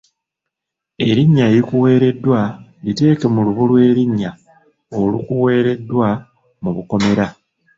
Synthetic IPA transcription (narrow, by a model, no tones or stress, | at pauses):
e̞ɾiɲːaeɾikuwe̞ːɾe̞dːwalite̞ːke̞muluβulwe̞ːɾiɲːa | olukuwe̞ːɾe̞dːwa | muβuko̞me̞ɾa